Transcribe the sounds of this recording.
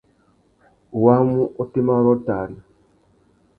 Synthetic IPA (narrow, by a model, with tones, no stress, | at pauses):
wa˦mu˦ʔo˦ti˦ma˦ɾɔ˦ta˨ni˨